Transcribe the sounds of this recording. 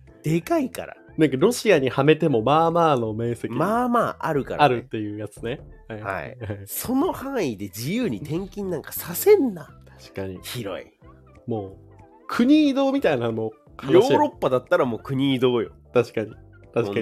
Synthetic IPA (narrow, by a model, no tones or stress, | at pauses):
d̪̥e̞kaika̰ɾa̰ | nãŋkaɾo̞ɕiaɲ̟ihame̞t̪e̞mo̞maːmaːno̞me̞ːse̞kʲimaːmaːʔa̰ɾɯ̟ka̰ɾaɾɯ̟t̪ːe̞jɯ̟ːjat͡sɨne̞hajha̰ḭso̞no̞hãɰ̃id̪e̞d͡ʑijɯːɲ̟it̪ẽ̞ŋkʲĩnːãŋkḁsasẽ̞nːat̪ḁɕi̥kaɲ̟içiɾo̞̰ḭ | mo̞ː | kʰɯ̟ɲ̟iːd̪o̞ːmʲit̪ainamo | kʰãŋjoːɕiɾo̞pːad̪at̪ːaɾamo̞ːkɯ̟ɲ̟iːd̪o̞ːjo̰t̪aɕi̥kaɲ̟i | t̪aɕika